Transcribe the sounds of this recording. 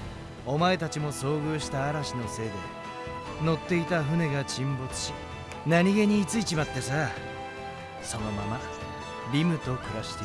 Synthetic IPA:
o̞mae̞t̪at͡ɕimo̞so̞ːɡɯːɕi̥t̪aːɾaɕino̞se̞ːd̪e̞ | no̞t̪ːe̞it̪aɸɯ̟ne̞ɡat͡ɕĩmbo̞t͡sɨ̥ɕi | naɲ̟iɡe̞ɲ̟iːt͡sɨit͡ɕimat̪ːe̞sa | so̞no̞mama | ɾʲimɯ̟t̪o̞kɯ̟ɾaɕi̥t̪e

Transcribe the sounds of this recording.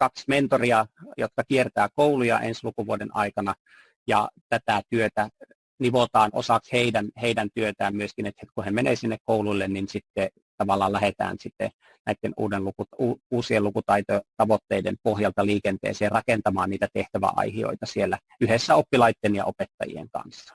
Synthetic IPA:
kɑksment̪oriɑjo̰t̪kɑkiert̪æːkoulujɑ̰ʔḛnslukuʋuodenʔɑ̰ikɑnɑ | jɑ̰t̪æt̪æt̪yøt̪æ | niʋot̪ɑːno̰sɑksheidænheidænt̪yøt̪æːmmyøskinet̪het̪kuhemeneːsinːekkouluilːenninsit̪ːe | t̪ɑʋɑlːˑɑːlæhet̪æ̰ːnsit̪ːḛ | næit̪ːenṵːdenlukuuːuːsielukut̪ɑit̪ot̪ɑʋot̪ːeidḛmpohjɑlt̪ɑliːkent̪ḛːseːrɑkent̪ɑmɑːnniːt̪æt̪eht̪æʋæ̰ʔɑ̰ihio̰it̪ɑsielːæ | yhesːæopːilɑit̪ːenjɑ̰ʔopet̪ːɑjḭḛŋkɑ̰nsːɑ̥

